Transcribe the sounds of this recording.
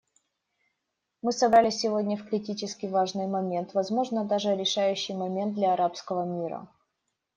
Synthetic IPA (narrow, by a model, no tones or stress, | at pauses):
mɨsɐbɾalʲɪsʲːɪvo̞dʲnʲəfkɾʲɪtʲit͡ɕɪskʲɪvaʐnɨjmɐmʲe̞nt̪vɐzmo̞ʐnəd̪aʐɨɾʲɪʂajʉɕːɪjmɐmʲe̞nt̪̚d̪lʲɐɐɾapskəvəmʲiɾə̰